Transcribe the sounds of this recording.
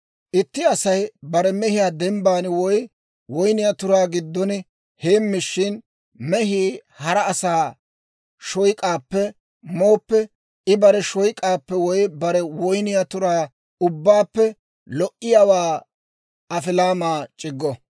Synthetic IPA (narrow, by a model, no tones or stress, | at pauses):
ʔɪt̪ːɪɐsɐjbɐɾɛmɛhɪjaːd̪ɛmbaːnɪwɔj | wɔjnɪjat̪ʊɾaːɡɪd̪ːɔnɪ | he̞ːmːɪʃːɪn | mɛɦiːhɐɾɐːsaː | ʃɔjkʼaːpːɛ | moːpːɛ | ɪbɐɾɛʃɔjkʼaːpːɛwɔjbɐɾɛwɔjnɪjat̪ʊɾaː | ʊbːaːpːɛ | lɔʔɪjawaː | ɐfɪlaːmaːt͡ʃʼɪɡːɔ